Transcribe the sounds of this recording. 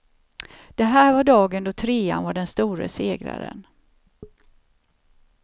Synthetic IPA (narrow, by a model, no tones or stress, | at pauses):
d̪̥ɛɦæːɾvaɖɑːɡənd̪ɔt̪ʰɾeːa̰nvaɖɛnst̪uːɾə̰seːɡɾa̰ɾə̰n